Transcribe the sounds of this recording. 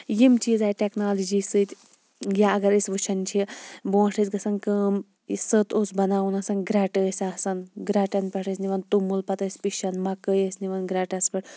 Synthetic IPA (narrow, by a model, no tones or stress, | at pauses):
jimt͡ʃiːzaːjʈeknaːlɐd͡ʒiːsɨt̪ʲ | ɡʲaɐɡɐɾisʋɨt͡ʃʰɐnt͡ʃʰibõːʂʰʈʰət͡sʲɡɐsɐnkəːm | sət̪oːsbɐnaːunɐsɐnɡɾaːʈəːsʲasɐnɡɾaːʈɐnpʲɐʈʰəsʲniʋɐnt̪umulpɐt̪ɐːsʲpiʃɐnmɐkəjəsʲniʋɐnɡɾaːʈɐspɐʈ